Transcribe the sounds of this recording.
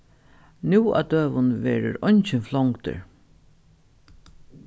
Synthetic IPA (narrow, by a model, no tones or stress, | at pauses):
nuːa̰d̪øːʋʊnvɛːɾʊɾɔjɲt͡ʃɪnflɔŋkt̪ə̰ɹ